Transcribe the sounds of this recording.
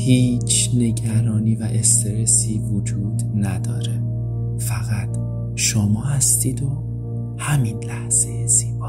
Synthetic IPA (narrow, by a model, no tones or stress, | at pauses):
hiːt͡ʃʰne̞ɟæɾɒːniːvæʔest̪eɾesiːvod͡ʒuːd̪næd̪ɒːɾe | fæɣæt̪ʰ | ʃomɒːhæst̪iːd̪o | hæminlæhz̥ejez̥iːbɒː